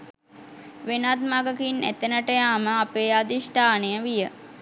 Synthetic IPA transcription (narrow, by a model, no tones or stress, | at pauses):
ʋenat̪maɡəkinæ̰t̪enəʈəjaːməapeːad̪iʃʈaːnejəʋijə